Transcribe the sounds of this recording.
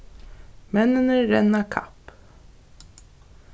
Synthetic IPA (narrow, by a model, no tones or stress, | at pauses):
mɛnənəɾɛnɑkʰɑ̰p